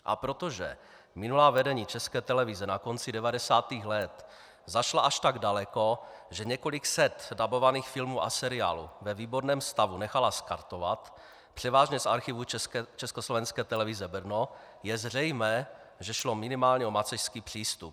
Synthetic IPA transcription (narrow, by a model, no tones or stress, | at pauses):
ʔa̰pɾot̪oʒɛ̰ | mɪnulaːvɛdɛɲiːt͡ʃɛskɛːt̪ɛlɛvizɛnako̞nt͡sidɛvadɛsaːt̪iːxlɛt̪ | zaʃlaʔaʃt̪aɡdalɛko̞ʒɛɲɛko̞lɪksɛt̪dabo̞vaniːxfɪlmuːʔa̰sɛɾɪa̰ːlṵvɛviːboɾnɛːmst̪avunɛxalaskaɾt̪ova̰t̪ | pr̝̥ɛvaːʒɲɛsʔaɾxivut͡ʃɛskoslovɛnskɛːt̪ɛlɛvizɛbr̩no | jɛzr̝ɛjmɛː | ʒɛʃlo̞mɪnɪmaːlɲɛo̞mat͡sɛʃskiːpr̝̥iːst̪up̚